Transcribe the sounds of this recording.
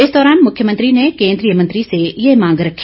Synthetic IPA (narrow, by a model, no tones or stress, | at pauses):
ɪsd̪ɔːɾaːnmʊkʰjəmə̃nt̪ɾinekẽːnd̪ɾijəmɐ̃nt̪ɾisejemãːŋɡɾɐkʰː